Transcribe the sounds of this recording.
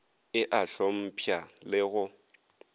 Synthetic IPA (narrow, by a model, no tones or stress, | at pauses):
ɪʔaɬɔm̩pʰjalɪɣʊ